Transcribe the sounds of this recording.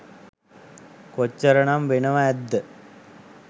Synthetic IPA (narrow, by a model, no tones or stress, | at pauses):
kot͡ɕːɐɾɐɳamʋenɐʋaɛd̪ːə